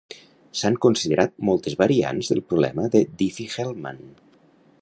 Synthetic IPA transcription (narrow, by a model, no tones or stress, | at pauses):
saŋkunsiðeɾʔat̪̚mɔlˠt̪ezβəɾia̰nzðə̰lˠpɾuβlɛ̰məðəd̪ifixelˠma̰n